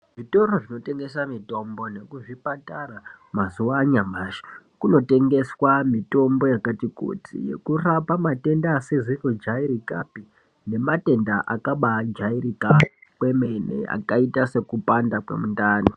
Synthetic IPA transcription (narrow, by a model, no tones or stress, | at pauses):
ʐito̞ro̞ʐino̞te̞ŋɡe̞samito̞mbo̞ne̞kuʐipataramazuʋaːɲamaːʃḁkuno̞te̞ŋɡe̞swamito̞mbo̞jakatiko̰tḭje̞̰kurapamate̞ndaːsezirod͡ʒaiɾika̰pi | ne̞mate̞ndaʔakaɓad͡ʒairikakwe̞menḛa̰kaitase̞kupandakwḛmundaːno